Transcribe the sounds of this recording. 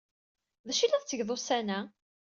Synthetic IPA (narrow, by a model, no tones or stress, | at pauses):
ðæʃilæðˤt͡sːəʝðˤosænæ